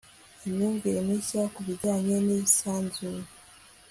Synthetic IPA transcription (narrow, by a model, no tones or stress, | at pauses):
emɲuːŋɡeɾemisakuβiɟaɲenisaːnzu